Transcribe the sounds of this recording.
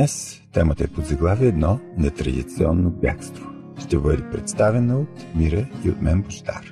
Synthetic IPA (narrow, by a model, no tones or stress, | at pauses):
ɛs | t̪ɛmət̪əɛpozɐɡlˠaviɛd̪nɔnɛt̪ɾɐ̰d̪it̪siɔnːobʲja̰kst̪vo | ʃt̪ɛbɤd̪ɛpɾɛt̪st̪avɛnəot̪ | miɾəiot̪mɛnbʊʃt̪a̰ɾ